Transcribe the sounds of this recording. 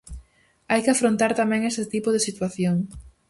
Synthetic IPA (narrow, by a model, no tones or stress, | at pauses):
ajkɪafɾont̪aɾt̪amɛ̃ŋesɪt̪ipʊðesit̪waθjoŋ